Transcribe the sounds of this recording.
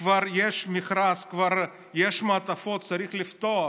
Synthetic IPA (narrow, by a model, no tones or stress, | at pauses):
vaɾjɛʃmʲɪχɾaskvaɾ | jɛʃmat̪ɐfot̪̚t͡sɐɾiχlʲɪft̪o